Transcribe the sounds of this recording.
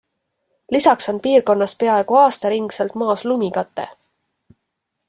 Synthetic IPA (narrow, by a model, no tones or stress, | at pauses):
lisɑkso̞npiːrko̞nːɑspe̞ɑeɡ̥uɑːst̪ɑɾiŋɡ̥selt̪mɑːslumikɑt̪ːˑe̞̰